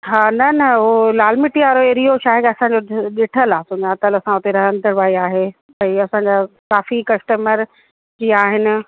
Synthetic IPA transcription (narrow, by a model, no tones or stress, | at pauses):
ɦaːnɐnɐɦolaːlmɪʈiaːɾoeɾioʃʰaːɦekɐsãːɲd͡ʑoɗɪʈʰəlaːsʊɲat̪əlɐsãʊt̪eɾɐɦənɪd̪ʱɐɽʋaːiaːɦeː | ɛ̃ɐsãɲd͡ʑakaːfikɐsʈəməɾ | d͡ʑiːaːɦɪnɪ̆